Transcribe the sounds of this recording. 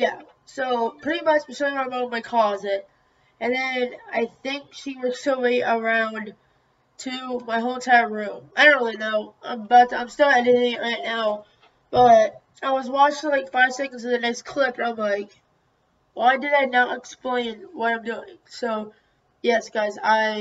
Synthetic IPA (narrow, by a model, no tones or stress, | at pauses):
jæ | soʊpʰɹ̥ɪɾimʌt͡ʃspəsõə̃mõmaɪkʰlɔzɪt̚ | ɨ̃nðɨ̃naɪθɪ̃ŋkʃiwəəweɪʔə˞ãʊ̃n | tʰɨmaɪɦõʊ̃mtʰaɪə˞ɹʉ̃maɪɾõʊ̃nɹɪlˠinoʊã̰ɪ̃mbʌtãɪ̃mstɪlˠɨɾɪɾɪ̃ŋɨʔɹaɪtⁿnaʊ | b̥ʌɾ | aɪwʌzwɑt͡ʃɪ̃ŋlaɪkfaɪv̥sɛkɨ̃n̩zʌðɨnɛkskʰl̥ɪp̚tãɪ̃mlaɪk | waɪdɨɾaɪnəɾɨksplẽɪ̃nwʌɾãɪ̃mdʉɪ̰̃ŋsoʊ | jɛsɡ̥aɪzaɪ